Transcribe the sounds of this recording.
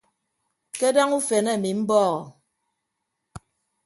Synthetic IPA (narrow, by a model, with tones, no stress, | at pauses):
ke˦da˦ŋu˦fe˨nɛ˦˨a˨mi˨m̩˦bɔː˦ɣɔ˨